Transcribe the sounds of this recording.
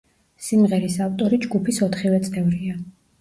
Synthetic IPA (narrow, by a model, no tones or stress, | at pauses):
simʁɛɾisaft̪ʼɔɾid͡ʒɡupʰisɔt̪ʰχivɛt̪sʼt̪ɛvɾia